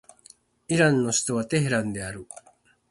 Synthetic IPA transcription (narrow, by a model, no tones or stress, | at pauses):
iɾanːosi̥t̪oβat̪eɦeɾand̪eaɾu